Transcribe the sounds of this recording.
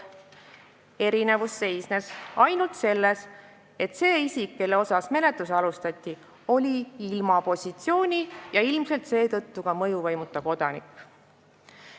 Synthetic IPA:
e̞ɾine̞vusːe̞jsnesɑjnult̪se̞lːe̞s | e̞t̪se̞ːisʲikːe̞leo̞sɑsme̞le̞t̪ˑusɑlust̪ɑt̪ʲːi | o̞lʲiilmɑpo̞sʲit̪sio̞ːnʲijɑilmse̞lt̪se̞ːt̪ɤ̞t̪ːukɑmɤjuvɑjmut̪ːˑɑko̞d̪̥ɑnḭkːˑ

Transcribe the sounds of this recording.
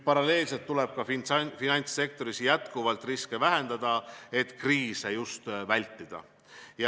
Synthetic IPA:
pɑɾɑle̞ːlse̞lt̪ːule̞b̥̚kɑffinɑnʲt̪sːe̞k̚t̪o̞ɾisjæt̪kuvɑlt̪ːˑriskevæɦe̞nd̪̥ɑd̪̥ɑe̞t̪ːˑkriːsejust̪vælʲt̪ːˑid̪̥ɑ̰ | jɑ

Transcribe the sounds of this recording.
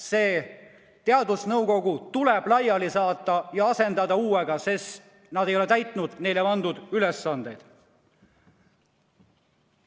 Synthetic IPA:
se̞ː | t̪e̞ɑd̪usnɤwko̞ɡut̪uleb̥lɑjɑlisɑːt̪ˑːɑjɑɑse̞nd̪ɑd̪ɑuːeɡ̥ɑses | nɑd̪e̞jo̞let̪æjt̪ˑnud̪̥ne̞jleɑnd̪̥ud̪̥yle̞sːɑnd̪̥e̞jd̪̥

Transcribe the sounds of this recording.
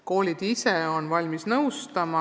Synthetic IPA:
ko̞ːlʲid̪̥iseo̞nvɑlʲmisnɤwst̪ɑmɑ

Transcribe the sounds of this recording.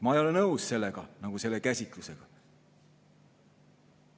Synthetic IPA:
mɑejo̞lennɤwsse̞lːeɡ̥ɑnɑɡ̥use̞lːekæsʲit̪ˑluse̞ɡ̥ɑ

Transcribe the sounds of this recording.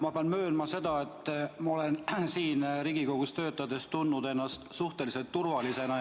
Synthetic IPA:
mɑpeɑnmøːnmɑse̞d̪ɑe̞t̪ːmɑo̞le̞nsiːnɾiɡ̥ikoɡ̥ust̪ø̞ːt̪ːˑɑd̪e̞st̪t̪unːud̪e̞nːɑst̪suht̪e̞lise̞lt̪ːurvɑlise̞nɑ

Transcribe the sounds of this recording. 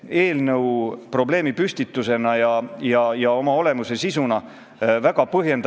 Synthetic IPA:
e̞ːlnɤwpro̞ble̞ːmipysʲt̪it̪ːˑuse̞nɑjɑjɑjɑo̞mɑo̞le̞muse̞sisunɑ | væɡ̥ɑpɤɦje̞nd̪

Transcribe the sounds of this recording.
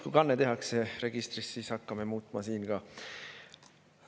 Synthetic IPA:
kujkɑnːet̪e̞ɦɑksere̞ɡ̥ist̪ɾissiːsɑkːɑmemuːt̪ˑmɑsiːnɡ̥ɑ

